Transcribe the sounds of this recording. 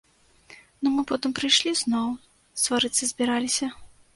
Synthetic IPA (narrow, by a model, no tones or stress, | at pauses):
numɨpɔt̪ɨmpɾɨjʂlʲiznɔw | st̪vaɾɨt̪sɨzʲbʲiɾalʲisʲɐ